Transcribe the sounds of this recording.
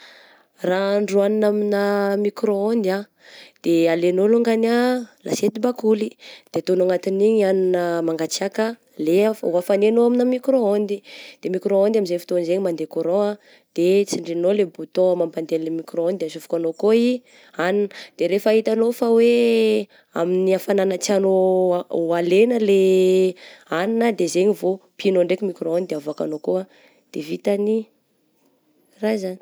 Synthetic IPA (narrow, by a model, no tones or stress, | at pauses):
raɳɖ͡ʐuaninaminamikɾoond̪ia | d̪̥ealenoloŋɡanalʔa̰set̪ibakulid̪̥et̪onaŋat̪iniɲianinəmaŋɡat͡sakə | leafuafanenoaminəmikɾoond̪id̪̥emikɾoond̪aminzefi̥t̪onizeɲimand̪ekoɾoa | d̪̥et͡siɳɖ͡ʐinolebut̪oamampand̪ellemikroɔnd̪d̪easufu̥kanokoi | anind̪̥eɾefaɦit̪anofawe | a̰miniafananət͡siano | alenəle | aninəd̪ezeɲivopinoɳɖ͡ʐekimikroɔnd̪id̪eavaka̰nokoa | d̪̥evit̪ani | razani̥